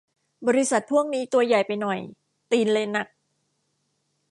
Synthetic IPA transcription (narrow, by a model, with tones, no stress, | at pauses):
bɔ˧ɾi˦˥sa˨˩t̪̚pʰu˥˩əŋniː˦˥t̪u˧ɐəja˨˩jpa˧jnɔ˨˩j | t̪iː˧nleː˧nːa˨˩k̚